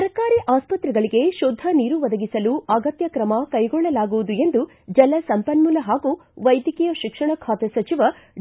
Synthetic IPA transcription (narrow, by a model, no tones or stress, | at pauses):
ɐɾɐkaːɾiʔaːspɐt̪ɾɛɡɐɭiɡe̞ʃod̪ʱːɐniːɾuʋɐd̪ɐɡisɐluɐɡɐt̪jɐkɾɐmɐkɐjɡɔɭːɐlaːɡuʋud̪ue̞nd̪u | d͡ʒɐlɐsɐmpɐnmulɐɦaːɡuʋɐjd̪jikijɐʃikʂɐɳɐkʰaːt̪esɐt͡ʃiʋɐ